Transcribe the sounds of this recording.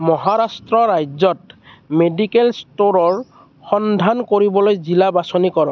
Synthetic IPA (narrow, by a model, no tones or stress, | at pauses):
mɔɦaɹastɹɔɹajzɔtmedikelstoɹɔɹ | xɔnd̪ʱankoɹibɔlojzilabasonikɔɹɔ